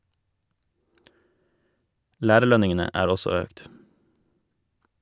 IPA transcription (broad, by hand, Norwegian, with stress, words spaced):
ˈlæːɾəˌɭœnɪŋənə ˈæːɾ ˈɔsɔ ˈøːkt